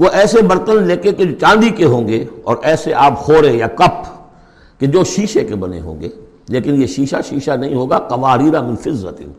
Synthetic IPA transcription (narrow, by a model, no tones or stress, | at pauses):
ʋoʔɛːsebɐɾt̪ənleːkeked͡ʒoːt͡ʃãːnd̪ikeɦõːŋɡeːɔ̰ːɾʔɛːseʔaːphoːɾeejaːkɐp̚ | ked͡ʒoːʃiːʃekebɐnḛɦo̰ːŋɡeː | leːkɪnjeʃiːʃaʃiːʃanɐɦĩɦoːɡaːkɐʋaːɾiːɾamɪ̃nfɪzːə̰t̪ɪ̰n